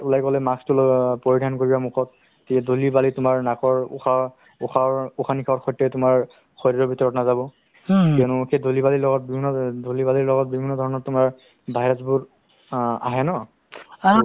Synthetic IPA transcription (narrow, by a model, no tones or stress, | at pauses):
ulajɡɔlɛmakstʊlɔpoɹidʱankoɹibamukʰɔt̚ː | iadʱolibalitʊmaɹnakɔɹuxa | uxaɹuxʰanikʰaɔxɔjtːɛtʊmaɹ | xʰɔjɾɹɔbʱitɔɹɔtnazabɔ | kɛɔnʊxedʱolibalilɔɡɔt̚bibʱinːɔdʱolibaliɹlɔɡɔt̚bibʱinːɔdʱɔɹɔnɔtʊmaɹ | bʱajɹazbʊɹ | a̰ɦɛnɔ | a